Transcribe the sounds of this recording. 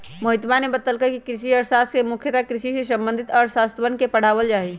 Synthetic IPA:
məɦɪt̪banebət̪əlkəɾkikɾɪʃiɔːɾsaːst̪kemʊkʰjət̪akɾɪʃisesə̃mbə̃nd̪ʱɪt̪ɔːɾsaːst̪ʋənkepəɽ̤aːʋəld͡ʒaːɦi

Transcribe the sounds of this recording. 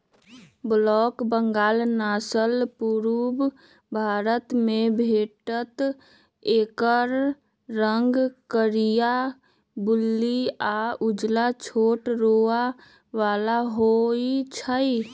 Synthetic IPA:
blɔːkbəŋɡaːlnaːsəlpuɾub | bʱaːɾət̪mẽbʱeːʈət̪ | eːkəɾː | əŋɡkəɾija | bʊlːiaud͡ʒlat͡ʃʰoːʈɾoa | ʋaːlaɦoit͡ʃʰəi

